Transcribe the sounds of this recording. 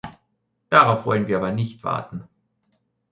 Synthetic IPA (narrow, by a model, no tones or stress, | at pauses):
d̥aʁaʊfv̥ɔlənviːɐʔaːbɐnɪçtv̥a̰ːɐtn̩